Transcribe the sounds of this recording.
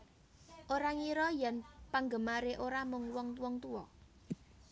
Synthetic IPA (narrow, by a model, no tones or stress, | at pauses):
ʔoɾaŋiɾɔjanpaŋɡəmaɾeʔoɾamʊŋwɔŋt̪wɔŋt̪uwɔ